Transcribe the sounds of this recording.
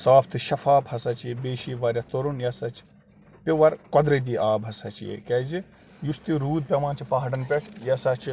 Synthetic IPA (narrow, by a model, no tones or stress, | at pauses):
saːpʰt̪ʰɨʃɐfaːphɐsɐt͡ʃjebeːʃiːʋɐɾʲjɐt̪oɾunjɐsɐt͡ʃ | pʲiʋɐɾkɔd̪ɾɐd̪iːʔaːbɦɐsɐt͡ʃjḛkɛzi | just̪iɾuːd̪̚pʲɐmaːnt͡ʃʰipɐɦɐɖɐnpʲɐkʰjɐsɐt͡ʃʰ